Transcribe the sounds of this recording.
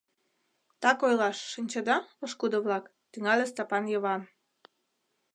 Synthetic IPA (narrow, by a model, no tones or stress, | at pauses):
t̪ɑkojlɑʃːinʲt͡ɕəd̪ɑoʃkud̪oβlɑk | t̪yŋɑlʲest̪ɑpɑnjəβɑm